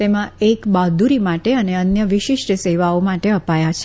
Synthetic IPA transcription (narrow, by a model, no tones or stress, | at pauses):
t̪emãekbad̪uɾimaʈeəneənjəʋiʃiʃʈəseʋaomaʈeəpajat͡ʃʰ